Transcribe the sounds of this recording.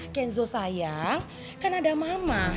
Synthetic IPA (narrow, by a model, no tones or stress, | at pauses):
kɛnzosajaŋ | kanadamama